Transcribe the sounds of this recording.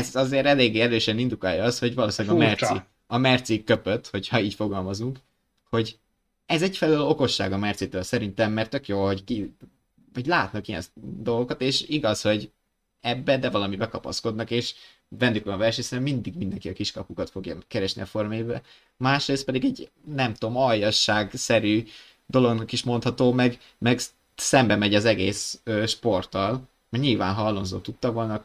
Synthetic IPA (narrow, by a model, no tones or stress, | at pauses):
zɒzeːɾɛleːɡːeːɛɾøːʃɛnind̪ukaːjɒɒsho̞ɟvɒloːsilːɛɡmɛrsi | ɒmɛrt̪sikːøpøt̪ho̞chɒiːcfo̞ɡɒlmɒzuŋk | ho̞ɟ | ɛzɛɟfɛlølo̞ko̞ʃːa̰ːɡɒmɛrt̪sit̪øːlsɛɾint̪ɛmːɛrt̪ːøkjoːlɦo̞ɟki | ɒɟlaːt̪nɒkijɛ̰nd̪o̞lɡo̞kɒt̪eːʃiɡɒsho̞ɟ | ɛbːɛd̪ɛvɒlɒmibɛkɒpɒ̰sko̞d̪nɒkeːʃ | vɛnd̪ykvɒnɒvɛlʃeːɲsnɛmːind̪iɡmind̪ɛŋkiɒkiʃkɒpukɒt̪fo̞ɡjɒ̰kɛɾɛʃnḭɒfo̞rmebɛ | maːʃɾeːst̪pɛd̪iɡɛɟ | nɛmt̪o̞mɒjɒʃːaːɡsɛɾyː | d̪o̞lo̞ɡnɒkiʃmo̞nt̪hɒt̪oːmɛɡ | mɛɡ | sɛmbɛmɛɟɒzɛɡeːsøːʃpo̞rt̪ɒl | mɛɲilva̰ːnɦɒlːonzo̰ːt̪ut̪ːɒvo̞lnɒ